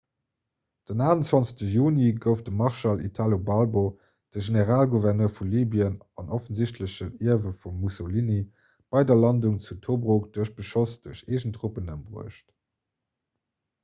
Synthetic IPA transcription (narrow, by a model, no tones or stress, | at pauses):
d̥ənaːənt͡swɑnsə̥ɕtəjuːniɡəʊfdəmɑʁʃɑlḭtʰaːlobɑlbo | d̥əʒeneʁaːlɡuvɛʁnøːɐfuliːbiən | ɑnʔofənziɕtʰləɕəniɐvəfumːusoliːni | b̥ɑɪdɐlɑnduŋt͡sutʰobʁokd̥uəɕb̥əʃosd̥uəɕeːʒəntʁupənəmbʁṵəʃt